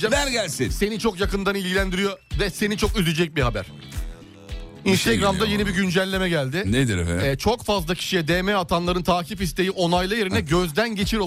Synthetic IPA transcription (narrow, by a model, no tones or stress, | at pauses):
d͡ʒad̪ænɟælʲsinse̞nit͡ʃʰo̞kjakɯnd̪anilʲɟilʲænd̪iɾijo̞vɛse̞nit͡ʃʰo̞kyzyd͡ʒɛc̚biɦabæɾ̥ | inst̪ʰeɡɾamd̪aje̞nibiɟynd͡ʒælʲːe̞mɛɟælʲd̪ɪned̪iɾɛ̰ɛt͡ʃʰo̞kfazlˠacʰi̥ʃijɛd̪eːmɛat̪ʰanlˠaɾɯnt̪ʰaːcʰifist̪e̞jiʔo̞najlˠaje̞ɾinɛɟø̞zd̪ænɟe̞t͡ʃʰiɾo